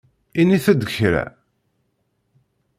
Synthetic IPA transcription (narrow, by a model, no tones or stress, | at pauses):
iniθəd̪əçɾæ̰